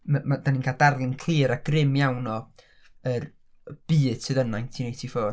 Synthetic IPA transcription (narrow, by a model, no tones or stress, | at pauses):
mamadaniːnkʰaːlˠdarlˠɪnkʰl̥iːɾaɡ̥rɪmjawnɔ | ər | b̥ɨːd̥sʰɨðənajntʰiːnejtʰifoː